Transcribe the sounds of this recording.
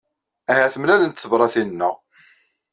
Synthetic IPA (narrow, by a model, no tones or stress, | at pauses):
æhæθəmlælənt̪θəvɾˤɑθinnːəʁ